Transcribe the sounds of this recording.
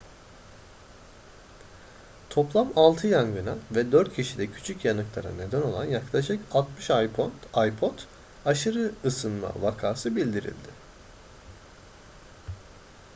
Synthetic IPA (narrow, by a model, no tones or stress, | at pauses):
t̪ʰo̞plˠamalˠt̪ʰɯjaŋɡɯnavɛd̪øɾt̪̚cʰiʃid̪ɛcʰy̥t͡ʃʰycjanɯklˠaɾa̰ne̞d̪æno̞lˠanjaklˠaʃkalˠt̪mɯʃajpʰo̞nd̪ajpʰo̞t̪ | aʃɯɾɯːsɯnma̰vakʰaːsɯbilʲd̪iɾḭlʲd̪ɪ